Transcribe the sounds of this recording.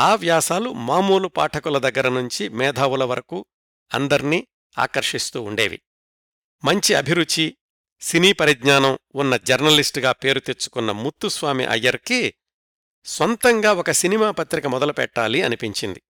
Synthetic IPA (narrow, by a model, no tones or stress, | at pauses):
aːʋjaːsaːlumaːmuːlupa̰ːʈʰɐkulɐd̪ɐɡːɐɾɐnuɲt͡ʃimɛːd̪ʱaːwulɐʋɐɾɐku | ɐ̰nd̪ɐɾini | a̰ːkɐɾʂist̪uːɳɖeːʋḭ | mɐɲt͡ʃiɐ̰bʱiɾut͡ʃːi | siniːpɐɾid̪ɲaːnɐmunːɐd͡ʒɐɾnɐlisʈɡaːpe̞ːɾut̪et͡ʃːu̥kunːɐmut̪ːusʋaːmḭʔɐ̰jːɐɾki | sʋɐnt̪ɐŋɡaːɔkɐsinimaːpɐt̪ɾikɐmɔd̪ɐlupɛ̰ʈːaːliɐnipiɲt͡ʃind̪i